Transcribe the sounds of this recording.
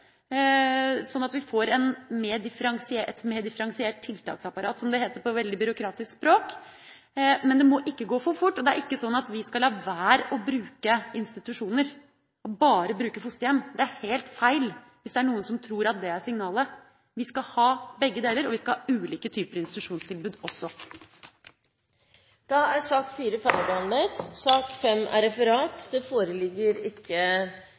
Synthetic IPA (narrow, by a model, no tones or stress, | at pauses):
sɔnːɑt̪ʋɪfɔɾɛnmeːd̪ɪfəɾɑŋsɪeɛt̪mɛːd̪ɪfəɾɑŋsɪeːʈ̚t̪ʰɪlt̪ʰɑ̰ːksɑpɑɾɑːt̪sɔmd̪ɛheːt̪əɾpɔʋɛld̪ɪbʏɾʊkʰɾɑːt̪ɪskspɾoːk | mɛnd̪ɛmɔʔɪkːəɡoːfɔfʊʈːɔd̪ɛæɾʔɪkːəsɔnːɑt̪ʋɪskɑlhɑːʋæːɾɔbɾʉːkəɪnst̪ɪt̪ʉʂuːnəɾ | ɔbɑːɾəbɾʉːkəfʊst̪əjɛmːd̪ɛæɾheːlt̪fæɪl | ʋɪsd̪ɛæɳuːənsɔmt̪ʰɾuːɾɑt̪̚d̪ɛæʂɪŋnɑːlə | ʋɪskɑhɑːbɛɡːəd̪eːləɾɔʋɪskɑlhɑʔʉːliːkət̪ʰyːpəɾəɪnst̪ɪt̪ʉʂuːnst̪ʰɪlbʉːd̪ɔsːɔ | d̪̥ɑæsɑːkfiːɾəfæɾəbəɑnlət̪sɑːkfɛmæ̰ɾɛfəɾɑːt̪d̪ɛfoːɾəlɪɡːəɾɪkʰːə